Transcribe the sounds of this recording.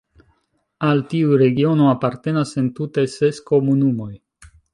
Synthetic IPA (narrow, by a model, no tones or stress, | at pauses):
altiuɾe̞ɡio̞noapaɾte̞nase̞ntute̞se̞sko̞munumo̞j